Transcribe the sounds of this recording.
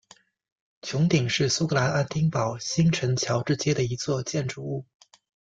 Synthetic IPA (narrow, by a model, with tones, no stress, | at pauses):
t͡ɕʰjʊ˧˥ŋt̪i˨˩ŋʂɻ̩˥˩su˥kɤ˧˥la˧˥na˥˩nt̪i˥ŋpɑ˨˩ʊɕi˥ŋʈ͡ʂʰə˧˥nt͡ɕʰjɑ˧˥ʊʈ͡ʂɻ̩˥˧t͡ɕjɛ˥d̪ə˨i˧˥t͡swɔ˥˧t͡ɕjɛ˥˩nʈ͡ʂu˨˩u˥˩